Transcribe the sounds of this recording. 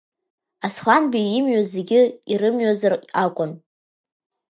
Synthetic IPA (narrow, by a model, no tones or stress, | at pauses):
asχʷanbiɪmɥazeɡʲɪirɨmɥazarakʷʼʊn